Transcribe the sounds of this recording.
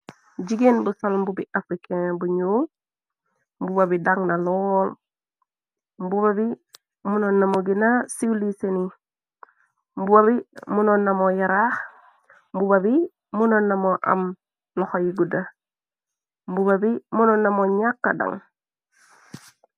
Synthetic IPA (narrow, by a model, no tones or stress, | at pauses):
d͡ʒiɡenbusolmbubiʔafɾikeŋbuɲoː | mbubabidaŋnalol | mbuβabi | munonːamoɡinasiwliseni | mbubaβimunonːamojaɾax | mbubabi | munonːamoʔa̰m | noxojiɡuda | mbubabimunonːamoɲakːa̰da̰ŋ